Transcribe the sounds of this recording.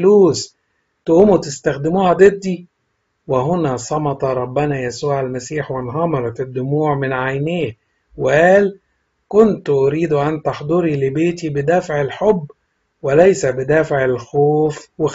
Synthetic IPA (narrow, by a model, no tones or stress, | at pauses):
luːs | t̪ʔuːmut̪ɪst̪æxd̪ɪmuːhæd̪ed̪ːi | wɪɦʊnæsˤɑmɑt̪ˤɑɾˤɑbːɪnæjæsuːʕælmæsiːħwɪnɦɑmɑɾˤɑt̪ɪd̪ːʊmuːʕmɪnʕajneːh | wɪʔæːl | kʊnt̪ʔʊɾiːd̪uʔænt̪ɑħd̪ˤoɾilɪbeːt̪ibɪd̪æfʕɪlħobː | wɪlæjsæbɪd̪æːfʕelxoːfwɪ